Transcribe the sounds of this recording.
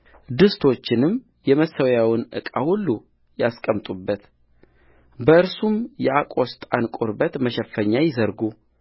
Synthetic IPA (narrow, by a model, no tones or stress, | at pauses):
d̪ɨst̪ʰo̞t͡ʃːɪnɨm | jɛməsːəwjawɨnʔɨ̰kʼa̰hulːu | jaskʼəmt̪ʼubːət̪ | bəɨɾsumjɛʔakʼo̞st̪ʼankʼuɾbət̪məʃɛfːəɲːajɪzəɾɡu